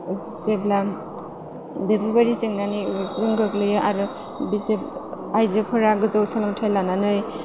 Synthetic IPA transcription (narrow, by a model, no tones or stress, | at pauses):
zsebla | bebubaɾit͡ʃeŋnanɯjzɯŋɡɯklɯjɯʔaɾɯ | bizep | ajzepʰɯɾaɡɯzawsʰalɯmtʰajlananɯj